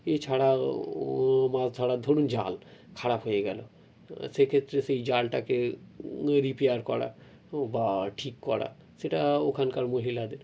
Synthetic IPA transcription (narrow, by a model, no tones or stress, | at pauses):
et͡ɕʰaɽa | mazt̪ʰaɽad̪ʱoɽund͡ʑa̰lkʰaɽapɦojeɡɛlo̰ | ʃekʰet̪ːɾesejd͡ʑalʈake | ɾipeaɾkɔɽa̰ | baʈʰikːɔɽa̰ | seʈaokʰankaɾmoɦilad̪eɾ